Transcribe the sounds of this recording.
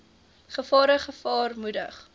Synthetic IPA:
χəfɑːɾəχəfɑːrmudə̰χ

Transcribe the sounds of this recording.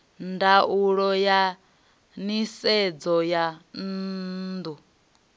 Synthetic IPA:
ndauɺɔja | nisɛd͡zɔjan̩ | d̪u

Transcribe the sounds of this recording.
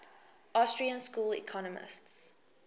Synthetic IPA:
ʔastɹiə̃nskuːlḭkʰɔnəmɪ̰sts

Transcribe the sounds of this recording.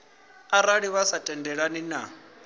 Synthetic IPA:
aɾaɺiβasatʼɛndɛɺanina

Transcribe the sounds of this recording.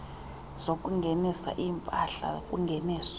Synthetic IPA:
z̥okʼuŋɡʱɛnisa̰ʔiːmpʼaɬa̰kʼuŋɡʱɛnɛːs

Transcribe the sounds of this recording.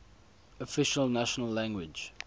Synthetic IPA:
ɔfɪʃəlnæʃənəlːæ̃ŋɡwɪd͡ʒ

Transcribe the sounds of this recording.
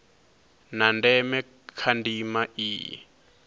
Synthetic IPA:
nandɛmɛ | kʰandimaʔḭː

